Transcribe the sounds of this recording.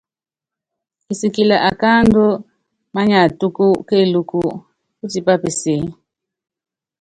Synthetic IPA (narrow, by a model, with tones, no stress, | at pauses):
i˨si˨ki˨la˨ʔa˨ka˦ndɔ˦ | ma˦ɲa˨tʼu˦ku˦ke˦lu˨ku˨ | u˦ti˨pa˦pɛ˨se˨